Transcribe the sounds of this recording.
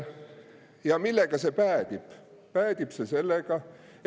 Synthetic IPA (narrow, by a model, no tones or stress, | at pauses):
jɑmilːeɡ̥ɑse̞pæːd̪̥ib̥pæːd̪̥ib̥sese̞lːeɡ̥ɑ